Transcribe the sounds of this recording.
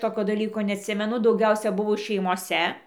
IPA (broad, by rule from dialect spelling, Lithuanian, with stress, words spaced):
ˈtoːkʲoː dɐˈlʲiːkoː nʲɛɐtʲˈsʲɪmʲɛnʊ dɐʊˈɡʲɛʊsʲɛ ˈbʊʋoː ʃʲɛɪmoːˈsʲɛ